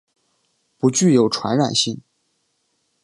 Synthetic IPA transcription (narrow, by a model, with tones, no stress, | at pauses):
pu˧˥t͡ɕy˥˩jo˨˩ʊʈ͡ʂʰwa̰˧˥nɻa̰˨˩nɕi˥˩ŋ